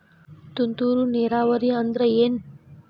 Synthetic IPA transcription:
t̪unt̪uːɾuniɾaːʋəɾiːɐnd̪ɾəeːn

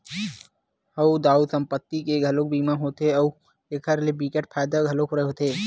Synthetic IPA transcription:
hɐud̪aːuːd̪sə̃mpət̪ːikeɡʱɐloːk̚biːmãɦoːt̪eɐu | eːkʰəɾlebiːkeʈpʰaːjd̪aɡʱɐlokoɾeɦoːt̪eː

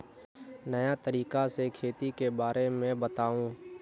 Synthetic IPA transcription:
nɐjat̪əɾiːkasekʰeːt̪ikebaːɾemẽbət̪aːũː

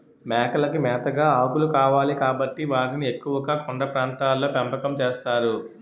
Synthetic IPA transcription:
mɛːkɐlɐkimɛːt̪ɐɡaːaːkulukaːʋaːlikaːbɐʈːiʋaːɾiniekːuʋɐɡaːkoɳɖɐpɾaːnt̪aːlːo̞ːpempɐkɐmt͡ʃeːst̪aːɾu

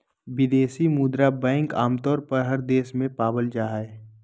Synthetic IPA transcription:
bɪd̪eːsimuːd̪ɾabɛ̃ːŋkaːmt̪ɔːɾpəɾɦəɾd̪eːsmẽpaːbəld͡ʒaːɦe

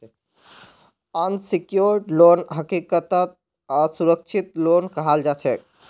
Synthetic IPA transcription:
ənsikjoɾɖlonɦəkikət̪ət̪̚ | asuɾək̚t͡ʃʰit̪lonkəɦald͡ʒat͡ʃʰɛ

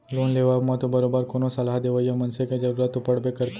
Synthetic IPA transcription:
loːnleːʋamãt̪obɐɾoːbəɾkoːnosɐlaɦd̪eːʋəjamɐnseked͡ʒɐɾuːɾət̪ːopɐɽbekɐɾt̪

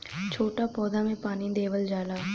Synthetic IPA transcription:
t͡ʃʰoːʈapɔːd̪amẽpaːnid̪eːʋəld͡ʒaːlaː

